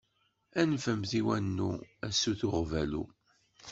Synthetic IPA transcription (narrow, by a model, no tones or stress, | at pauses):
ænfəmθiwænːṵæsːuθʊʁvælṵ